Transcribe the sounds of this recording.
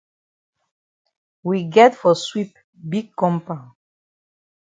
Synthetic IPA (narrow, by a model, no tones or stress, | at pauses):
wiɡɛtfɔswip̚ | biɡ̚kɔ̃mpa